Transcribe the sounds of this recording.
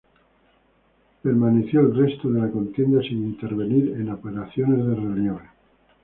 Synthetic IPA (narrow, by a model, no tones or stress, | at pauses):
peɾmaneθjoelrest̪oðelako̞nt̪je̞nd̪asinint̪e̞ɾβeniɾenaopeɾaθjone̞zðerenjon